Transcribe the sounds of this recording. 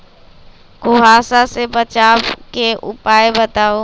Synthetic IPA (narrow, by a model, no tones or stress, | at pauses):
ɡoɦaːsasebət͡ʃaːbkeʔʊpaːebət̪aːoː